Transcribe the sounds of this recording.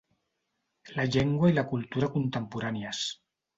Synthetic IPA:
laʎeŋɡwailakult̪uɾakunt̪ampuɾanias

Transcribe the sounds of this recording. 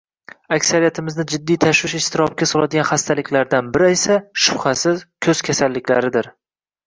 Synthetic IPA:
akʲsaɾijat̪ʰɪmɪznɪd͡ʒɪd̪ːijt̪ʰaʃwɪʃɪʃt̪ɪɾɒp̚kʲasɒlˠad̪ɪɡʲanχast̪ʰalɪkʲlaɾd̪anbɪɾɪe̞saʃʊbχasɪzkʲʰɵz̥kʲʰasalːɪkʲlaɾɪd̪ɪɾ

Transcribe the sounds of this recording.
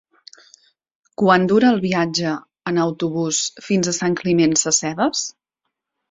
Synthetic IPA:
kwand̪uɾəːlˠβiad͡ʒəː | nəwt̪uβusfinzəsaŋklimensəsɛðəs

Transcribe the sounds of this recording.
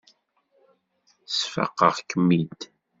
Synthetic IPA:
sfɑ̰qːəʁkəmːid̪

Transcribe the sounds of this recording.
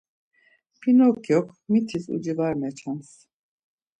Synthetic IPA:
pʰinokjok | mit̪ʰizṵd͡ʒɯvaɾmet͡ʃʰans

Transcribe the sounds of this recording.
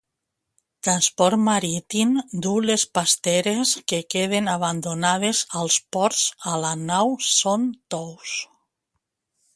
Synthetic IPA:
t̪ɾanspɔɾt̪maɾit̪imd̪ulespast̪eɾeskekeð̞enaβand̪onað̞ezalˠspɔɾzalanawsont̪ɔws

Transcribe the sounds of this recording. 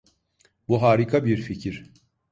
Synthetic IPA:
buɦaːɾikʰabiɾficʰiɾ̥

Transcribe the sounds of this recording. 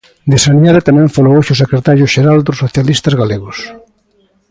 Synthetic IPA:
d̪esanjaðet̪amɛ̃ɱfalowoʃʊsekɾet̪aɾjʊʃeɾald̪ʊsːoθjalist̪ɐzɣaleɣʊs

